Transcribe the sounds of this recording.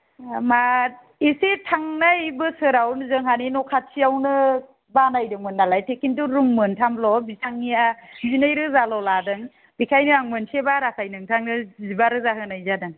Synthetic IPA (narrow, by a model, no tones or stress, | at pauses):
ma | isetʰaŋnajbɯsɯɾawnzɯŋhaninɔkʰat̚sʰiawnɯ | banajdɯŋmɯnːalajtʰekintuɾuŋmɯntʰamblɔbisaŋːiazinɯjɾɯzalɔladɯŋ | b̥ikʰajnɯaŋmɯnsebaɾakʰajnɯŋtʰaŋnɯzibaɾɯzaɦɯnajzadɯŋ